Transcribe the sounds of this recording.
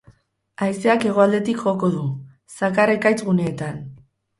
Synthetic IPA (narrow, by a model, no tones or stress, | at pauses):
ajse̞ake̞ɣ̞o̞ald̪e̞t̪ikʝo̞ko̞ðu | sakaɾe̞kajt͡sɣune̞ːt̪an